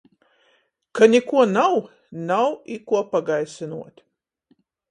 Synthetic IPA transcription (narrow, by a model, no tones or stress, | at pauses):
kanʲikuɔnaw | nawikuɔpaɡajsinuɔt̪ʲ